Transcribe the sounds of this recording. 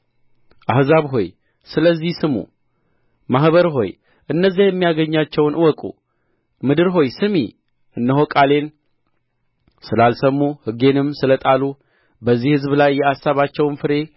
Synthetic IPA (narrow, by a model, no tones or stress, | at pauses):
ʔahzaβɦo̞j | sɨləzːihsɨmṵ | mahβəɾɦo̞̰j | ʔɨnːəzːajɛmːijaɡəɲːat͡ʃːɛwnʔɨwɔkʼṵ | mɨd̪ɨɾɦo̞jsɨmḭ | ʔɨnːəɦo̞kʼale̞n | sɨlalsəmːuhɨɡe̞nɨmsɨlət̪ʼalu | bəzːihɨzblajːɛasːaβat͡ʃːɛwnfɨɾe̞